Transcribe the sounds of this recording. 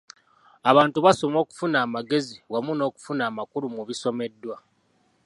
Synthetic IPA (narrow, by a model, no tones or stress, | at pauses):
aβaːntuβaso̞mo̞ːku̥funaːmaɡe̞ziwamuno̞ːku̥funaːmakuɾumuβiso̞me̞dːwa